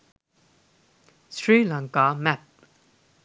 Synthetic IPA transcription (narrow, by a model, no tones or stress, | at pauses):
sɹilãŋkamæp̚